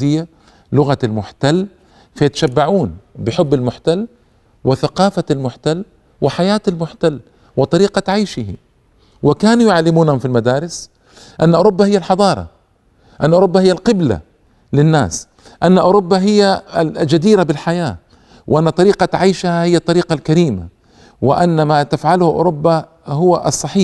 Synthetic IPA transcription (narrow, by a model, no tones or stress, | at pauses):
ɪjːa | lʊɣaalmʊħt̪alː | fajat̪aʃabːaʕuːnbɪħʊbːalmʊħt̪alː | wɪθaqɑːfaalmʊħt̪alː | wɪħajaːt̪almʊħt̪alː | wɪt̪ˤɑɾiːqaʕajʃɪhḭ | wɪkaːnujʊʕalːɪmuːnhʊmfilmad̪aːɾɪs | ʔanːaʔʊɾubːahɪjːalħɑd̪ˤɑːɾˤɑ̰ | ʔanːʔʊɾubːahɪjːalqɪbla̰ | lɪnːa̰ːs | ʔanːaʔʊɾʊbːaɦɪjːald͡ʒad̪iːɾabɪlħajaː | wʔanːat̪ˤɑɾiːqaʕajʃhahɪjːat̪ˤːɑɾiːqalkaɾiːma̰ | wɪ̰ʔanːamat̪afʕalhʔʊ̰ɾʊbːa | hʊwaʔɑsˤːɑħiː